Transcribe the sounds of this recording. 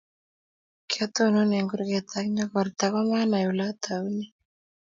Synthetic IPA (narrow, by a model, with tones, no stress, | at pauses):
kʰɛ˦t̪o˦no˦ne˨ŋɡu˦ɾɡɛt̪akɲɔ˦kɔ˨ɾt̪a˦kɔ˦ma˦na˨ju˨la˦t̪ʰa˨wuni˦